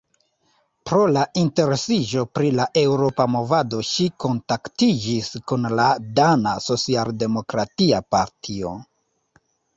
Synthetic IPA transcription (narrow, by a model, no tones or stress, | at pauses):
pɾo̞laʔinte̞ɾe̞sid͡ʒo̞pɾilaʔe̞wɾo̞pamo̞vado̞ʃiko̞ntaktid͡ʒiskunladanaso̞t͡sialde̞mo̞kɾatiapa̰ɾtʰio̞̰